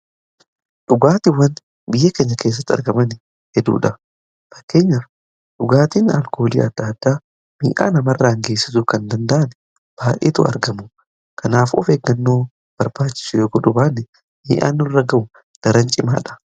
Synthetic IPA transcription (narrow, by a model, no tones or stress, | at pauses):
ᶑʊɡaːt̪ɪwːɐn | bɪjːɐke̞ːɲːɐke̞ːs̬ːɐt̪ːɐ̰ɾɡɐmɐn | hɛd̪ṵːᶑɐ | fɐ̥kːe̞ːɲːɐ | ᶑʊɡaːt̪iːnɐ̰lkoːlḭːɐd̪ːaːd̪ːaː | mḭːʔa̰ːnɐmɐrːɐɐŋɡe̞ːsːɪsʊkɐnd̪ɐnd̪ɐʔɐnɛ | b̥aːʔḛːt̪ʊ̰ɐ̰ɾɡɐmʊ | kɐnaːfɔ̰feːɡːɐnːo̞ː | b̥ɐɾbaːt͡ʃːɪ̥sʊjoːɡɔᶑʊbaːnːɛ | miːʔa̰ːnːʊrːɐɡɐʔʊ | d̪̥ɐɾɐnt͡ʃʼɪma̰ːᶑɐ̥